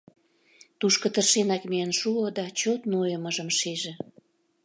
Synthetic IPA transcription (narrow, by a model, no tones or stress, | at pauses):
t̪uʃkə̆t̪ərʃenɑkmijanʃuod̪ɑt͡ɕot̪nojəməʒəmʃeʒĕ